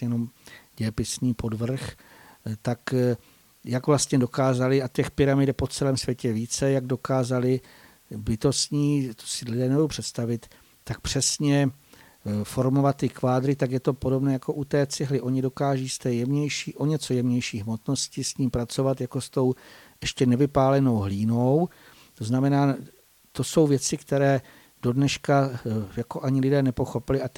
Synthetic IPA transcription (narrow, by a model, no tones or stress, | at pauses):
jɛno̞mɟɛpɪsɲiːpo̞dvr̩x | t̪ak | jaɡvlast̪ɲɛdo̞kaːzalɪat̪ɛxpɪɾamɪdɛpo̞t͡sɛlɛːmsvjɛcɛviːt͡sɛjaɡdo̞kaːzalɪ | bɪt̪o̞sɲiːt̪o̥sɪlɪdɛːnɛbudowpr̝̥ɛt̪st̪avɪt̪ː | ak̚pr̝̥ɛsɲɛ | fo̞ɾmo̞vat̪ːɪkvaːd̪ɾɪt̪akjɛt̪o̞podobnɛːjako̞ʔut̪ɛːt͡sɪɦlɪʔo̞ɲɪdo̞kaːʒiːst̪ɛːjɛmɲɛjʃiːʔo̞ɲɛt͡sojɛmɲɛjʃiːɦmo̞t̪no̞scɪsɲiːmpɾat͡so̞vat̪jako̞st̪o̞w | ʔɛʃcɛnɛvɪpaːlɛno̞wɦliːno̞w | t̪oznamɛnaː | t̪o̞so̞wvjɛt͡sɪkt̪ɛɾɛː | d̥o̞dnɛʃkajako̞ʔaɲɪlɪdɛːnɛpo̞xo̞pɪlɪʔa